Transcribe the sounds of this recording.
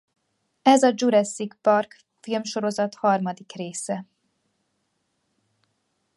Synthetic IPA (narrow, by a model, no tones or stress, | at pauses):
ɛzɒd͡ʒuɾɛsːikpɒrk | filmʃo̞ɾo̞zɒt̪hɒrmɒd̪ikreːsɛ